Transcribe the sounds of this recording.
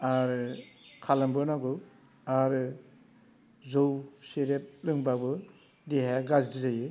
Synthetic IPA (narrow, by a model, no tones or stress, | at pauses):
aɾɯkʰalambɯnaɡɯ | aɾɯ | zowseɾep̚lɯŋbabɯ | deɦaɡazdiɾajɯ